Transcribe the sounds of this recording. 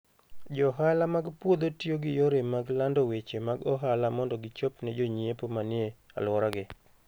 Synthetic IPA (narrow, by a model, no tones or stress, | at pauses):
d͡ʒɔɦalamaɡpwod̪otjoɡɪjoɾemaɡlandowet͡ʃemaɡɔɦalamɔndɔɡɪt͡ʃopnɛd͡ʒoɲepomanɪea̰lwɔɾaɡɪ